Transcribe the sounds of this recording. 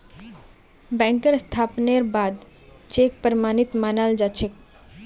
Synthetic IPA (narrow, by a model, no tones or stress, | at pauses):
bɛŋkeɾst̪ʰapneɾbad̪ | t͡ɕek̚pəɾmanit̪manald͡ʑat͡ɕʰek